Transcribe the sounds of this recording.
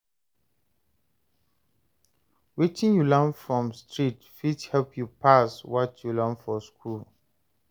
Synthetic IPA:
wit͡ʃĩŋjulãnfɹɔ̃mstʰɹitfithɛlpʰjupaswɔtʰjulãnfɔskʰul

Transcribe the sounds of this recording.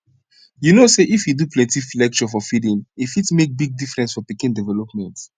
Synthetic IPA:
junoseʔifjuduplɛ̃ntiflɛk̚t͡ʃɔfɔfidĩnifitmek̚biɡ̚difɹɛ̃nsfɔpikĩndɛvɛlɔpmɛ̃nt

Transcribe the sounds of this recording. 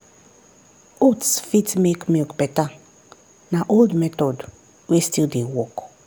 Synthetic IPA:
otsfitmekmilkbɛta | naʔoldmɛtɔd | westildewɔk

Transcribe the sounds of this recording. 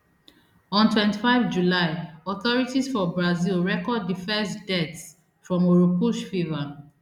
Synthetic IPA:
ɔ̃ntʰwɛ̃ntifaɪvd͡ʒulaɪɔθɔɹitisfɔbɹazilɹɛkɔd̚ðifɛstdɛts | fɹɔ̃moɹupuʃfiva

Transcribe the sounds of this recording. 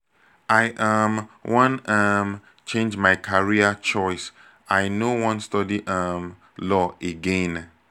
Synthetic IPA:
ajʔamwɔ̃nam | t͡ʃẽnd͡ʒmaɪkʰaɹiət͡ʃɔɪs | ajnowɔ̃nstɔdiʔam | lɔʔeɡɛ̃n

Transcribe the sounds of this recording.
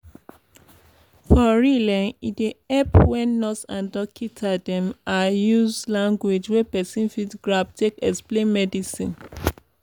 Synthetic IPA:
fɔɹilɛ̃nideɛpwɛ̃nːɔsãndɔkʰitʰadɛ̃majuzlãŋɡwed͡ʒwɛpɛsĩnfidɡɹabtʰekɛksplẽnmɛdisĩn

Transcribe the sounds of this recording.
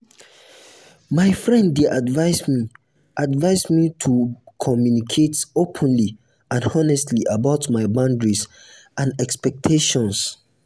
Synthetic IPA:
maɪfɹɛ̃ndːeʔadvaɪsmi | ʔadvaɪsmitʰukʰɔmjunikʰetopʰə̃nli | ãnɔnɛstʰliʔabaʊtmaɪbãndɹis | ãnɛkspɛk̚tʰeʃɔ̃ns

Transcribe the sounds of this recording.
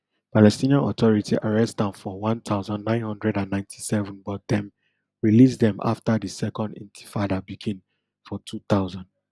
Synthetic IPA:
palɛstĩnãnɔtɔɹitʰiʔaɹɛstãnfɔwãnt̪ʰaʊzãnːãɪ̃nhɔ̃ndɹɛdãnːãɪ̃ntʰi̥sɛvũnbɔt̚dɛ̃m | ɹilis̬dɛ̃ma̰ftadisɛkɔ̃ndḭ̃ntʰi̥fadabiɡĩn | fɔtʰut̪aʊzãnd

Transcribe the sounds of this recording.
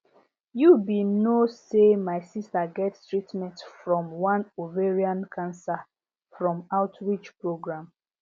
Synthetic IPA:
jubinosemaɪsistaɡɛtstɹitmɛ̃ntfɹɔ̃mwãnuveɹiãnkʰãnsa | fɹɔ̃maʊtɹit͡ʃpɹoɡɹãm

